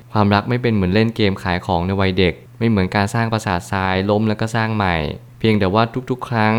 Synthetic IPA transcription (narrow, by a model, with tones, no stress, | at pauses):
kʰwaː˧mɾa˦˥k̚ma˥˩jpe˧nmɯ˩˦ənle˥˩nkeː˧mkʰaː˩˦jkʰɔː˩˦ŋna˧jwa˧jde˨˩k̚ma˥˩jmɯ˩˦ənkaː˧nsaː˥˩ŋpɾa˧saː˨˩t̪̚saː˧˥jlo˦˥mlɛ˦˥wkɔː˥˩saː˥˩ŋma˨˩j | pʰi˧əŋd̪ɛː˨˩waː˥˩t̪ʰu˦˥k̚t̪ʰu˦˥kʰɾa˦˥ŋ